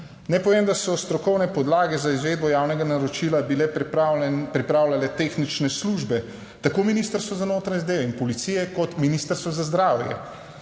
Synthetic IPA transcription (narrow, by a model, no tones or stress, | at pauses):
nɛpɔʋeːmd̪asɔst̪ɾɔkɔwnɛpɔd̪laːɡɛzaizʋeːd̪bɔjaːwnɛɡanaɾot͡ʃilabilɛ | pɾipɾaːwlʲalɛt̪eːxnit͡ʃnɛsluʒbɛ | t̪akominiːst̪əɾst̪ʋoɔzanoːt̪ɾaɲɛzad̪eːʋɛinpɔlit̪siːjɛkɔt̪miniːst̪əɾst̪ʋɔzazd̪ɾaːwjɛ̰